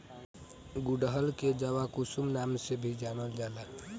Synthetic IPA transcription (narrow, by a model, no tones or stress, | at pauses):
ɡuɖəɦəlked͡ʒəʋakusumnamsebʱid͡ʒanəld͡ʒala